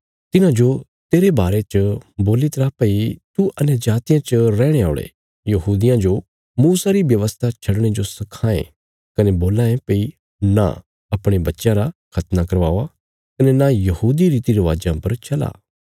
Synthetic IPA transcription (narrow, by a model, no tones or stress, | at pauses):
t̪ɪnãd͡ʒo | t̪eːɾebaːɾet͡ʃəboːlit̪ɐɾaːpɐit̪uʔɐnɛd͡ʒaːt̪ɪjãt͡ʃəɾɛːɽ̃ea̰ːɭḛ | jɐɦuːd̪ɪjãd͡ʒo | muːsaɾiʋjɐʋəst̪ʰat͡ʃʰɐɽɽ̃ed͡ʒosɐkʰãːḛ̃ | kɐnɛboːlãːẽpɐi | na̰ | ɐpɽ̃ebɐtːʃãɾakʰɐt̪nakɐɾʋaːa | kɐnɛnajɐhuːd̪iɾiːt̪iɾeʋaːd͡ʒãpɐɾt͡ʃʰɐla̰ː